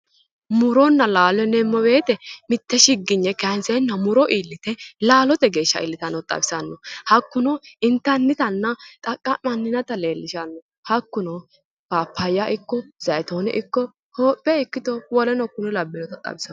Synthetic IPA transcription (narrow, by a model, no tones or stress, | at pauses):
mʊɾɔnːɐlaːlɔɛnɛmːɔbe̞ːt̪ɛmɪt̪ːɛʃɪɡːɪɲːɛkɐnsɛnːɐmʊɾɔʔiːlːɪt̪ɛlaːlɔt̪ɛɡe̞ːʃːɐ̰ʔɪ̰lːɪt̪ɐnɔt̪ʼɐ̰bɪ̥sɐnːɔhɐkːʊnɔɪnt̪ːɐnːɪt̪ɐnːɐt̪ʼɐkʼːɐnɐnːɪnɐt̪ɐle̞ːlːɪʃɐnːɔ | hɐkːʊnɔ | paːpʰːɐjːaʔɪkːɔzɐjɛt̪oːnɛ̰ʔɪkːɔ | hoːpʼːɛɪkːɪt̪ɔwɔlɛnɔkːʊnɪlɐbːɪnɔt̪ɐt̪ʼɐ̰bɪsɐ